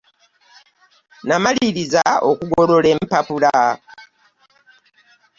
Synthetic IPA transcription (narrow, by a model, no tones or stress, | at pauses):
namaliɾizao̰kuɡo̞ɾo̞le̞mpapula